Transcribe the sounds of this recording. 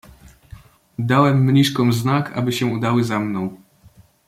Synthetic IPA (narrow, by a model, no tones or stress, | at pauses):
d̪awɛmːɲiʂkɔ̃w̃znaka̰bɘɕɛ̃ud̪awɘzamnɔ̃w̃